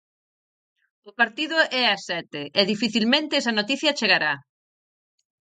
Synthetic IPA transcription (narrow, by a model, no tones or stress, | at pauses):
ʊpaɾt̪iðʊʔɛɐsɛt̪eɛðifiθilmẽnt̪eɪɛsɐnot̪iθjɐt͡ʃeɣaɾa